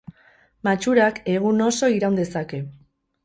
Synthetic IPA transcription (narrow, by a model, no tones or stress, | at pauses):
mat͡ʃuɾake̞ɣ̞uno̞so̞iɾawnd̪e̞sake̞